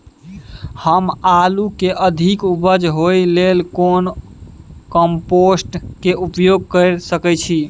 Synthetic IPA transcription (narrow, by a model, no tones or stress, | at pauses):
həmalukeʔəd̪ʱikubəd͡ʒɦojlelkon | kəmposʈkeʔupjoɡ̚kəɾsəkɛt͡ʃʰi